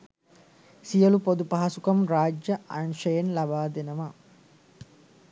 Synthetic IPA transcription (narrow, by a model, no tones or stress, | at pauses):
sijɐlupod̪upɐɦɐsukɐmɾaːd͡ʒjɐʔɐ̰nʂɐjenlɐbaːd̪enɐmɐ